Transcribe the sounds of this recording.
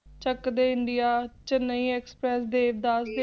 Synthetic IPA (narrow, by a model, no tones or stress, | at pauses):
t͡ʃəkd̪eːɪɳɖijaːt͡ʃənəĩːɛːkspɾɛːsd̪eːʋd̪aːse